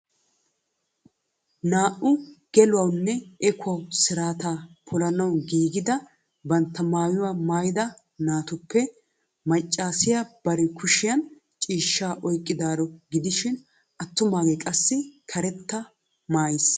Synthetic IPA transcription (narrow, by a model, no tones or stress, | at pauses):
naːʔʊɡ̥ɛlʊwɐwnːɛɛkʰʊɐwsɪɾaːt̪aːpʰɔlɐnɐwɡiːɡɪd̪ɐ | bɐnt̪ːɐmaːjʊwaːmaːjɪd̪ɐ | naːt̪ʊpːɛ | mɐt͡ʃʼːaːsɪjab̥ɐɾɛkʰʊʃɪjɐn | t͡ʃʼiːʃːaːʔɔjkʼːɪd̪aːɾɔɡɪd̪ɪʃɪn | ʔɐt̪ːʊmaːɡɛkʼɐsːɪkʰɐɾɛt̪ːɐ | maːjɪs